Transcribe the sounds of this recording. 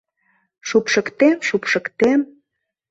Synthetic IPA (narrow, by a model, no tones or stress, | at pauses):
ʃupʃə̆kt̪emʃupʃə̆kt̪em